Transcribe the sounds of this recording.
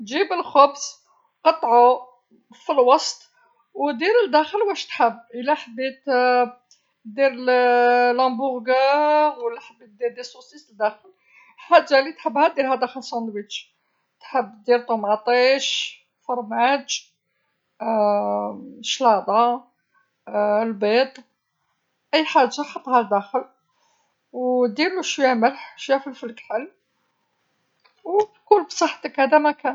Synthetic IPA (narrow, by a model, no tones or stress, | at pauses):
ʒibəlxʊbs | qɑt̪ˤːʕu | filwɑst̪ | wd̪iɾəld̪æxəlwæʃt̪ħəbːʔəlæħəbːit̪ | d̪iɾ | lɑ̃bʊɣɡawlːæħəb̪ːit̪̚d̪iɾd̪iɾsusisəd̪æxəl | ħad͡ʒːalit̪ħəbːhæd̪iɾhæd̪æxəlsɑnd̪wit͡ʃ | t̪ħəbːd̪iɾt̪ˤomʕt̪ˤiʃ | fɑɾˤmæd͡ʒ | ʃlɑd̪ˤɑ | lbet̪ˤ | ʔəjːħaʒːaħɑt̪ˤːhæd̪æxəl | wd̪iɾluʃjaʕməlħʃjæfəlfilkħəl | wkʊlːbsˤəħːt̪əkhæd̪æmækæn